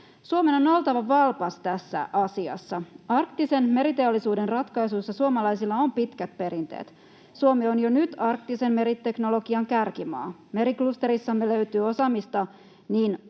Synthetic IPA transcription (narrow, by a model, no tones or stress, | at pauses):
suomenono̞lt̪ɑʋɑʋɑlpɑst̪æsːæ̰ʔɑsiɑ̰sːɑɑrkt̪isenme̞ɾit̪eolːisuːdenrɑt̪kɑjsujsːɑsuomɑlɑjsilːɑompit̪kæt̪̚pe̞ɾint̪ḛːt̪ | suomeonjonyt̪ɑrk̚t̪ise̞mme̞ɾit̪ːe̞knolo̞ɡiɑŋkærkimɑ̰ːme̞ɾiklust̪eɾisːɑmːeløyt̪yːo̞sɑmist̪ɑ | niːn